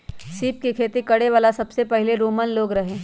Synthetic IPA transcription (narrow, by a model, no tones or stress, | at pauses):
siːp̚kikʰeːt̪ikɐɽeʋaːlasɐbsepɛɦɪleɾoːmənloːɡɾɐɦẽː